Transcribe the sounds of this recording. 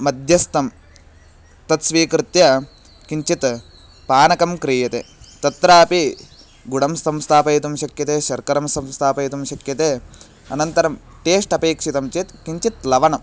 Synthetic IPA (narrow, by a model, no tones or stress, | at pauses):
mɐd̪ʱjɐst̪ɐm | t̪ɐt̪sʋiːkɾɪt̪jɐ | kiɲt͡ʃit̪ | paːnɐkɐmkɾijɐt̪eːt̪ɐt̪ɾaːpi | ɡuɽɐmst̪ɐmst̪ʰaːpɐjt̪umʃɐkjɐt̪eːʃɐɾkɐɾɐmst̪ɐmst̪ʰaːpɐjt̪umʃɐkjɐt̪eː | ɐnɐnt̪ɐɾɐm | ʈeːsʈɐpeːkʂit̪ɐmt͡ʃit̪kiɲt͡ʃit̪lɐʋɐnɐm